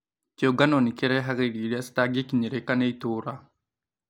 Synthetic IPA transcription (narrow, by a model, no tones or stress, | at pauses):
koɡanonikeɾɛɦaɣeɾiɾiast̪aɡekiɲeɾekaneitoɾa